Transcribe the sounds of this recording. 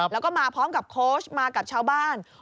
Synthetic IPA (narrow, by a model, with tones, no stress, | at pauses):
lːɛ˦˥wkɔː˥˩maː˧pʰɔː˦˥mka˨˩p̚kʰoː˦˥˩smaː˧ka˨˩p̚t͡ɕʰaː˧wbaː˥˩n